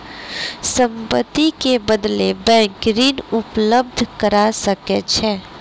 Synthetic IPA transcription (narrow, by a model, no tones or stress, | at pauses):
sə̃mpət̪ikebəd̪lebɛ̃ːŋkɾiːnʊpləb̚d̪ʱkəɾasəkɛt͡ʃʰɛː